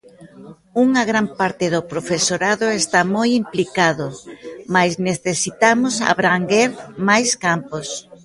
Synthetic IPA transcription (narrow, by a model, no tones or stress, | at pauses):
uŋɐɣɾampaɾt̪ɪðopɾofesoɾaðʊest̪amojimplikaðʊmajzneθesit̪amʊsa̰βɾaŋɡeɾmajskampos